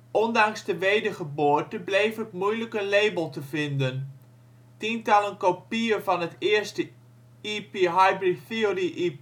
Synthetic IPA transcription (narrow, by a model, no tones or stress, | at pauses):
ʔɔndɑŋzdəʋejdəχəbʊːrtəblejfətmujləkənlejbəlˠtəvɪndən | tintɑlənkopiəvɑnɦətɪəɹstə | ipiɦajbriθiəriʔi